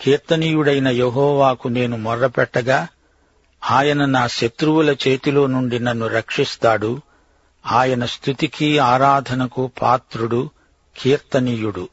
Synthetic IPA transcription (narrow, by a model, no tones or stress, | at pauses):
kiːɾt̪ɐniːjuɽɐjnɐjeɦɔːʋaːkune̞ːnumɔɾːɐpɛʈːɐɡaː | aːjɐnɐnaːʃɐt̪ɾuwulɐt͡ʃe̞ːt̪ilo̞ːnuɳɖinɐnːuɾɐkʂist̪aːɽu | aːjɐnɐst̪ʰut̪ikiaːɾaːd̪ʱɐnɐkupʰa̰ːt̪ɾuɽu | kʰiːɾt̪ɐniːjuɽu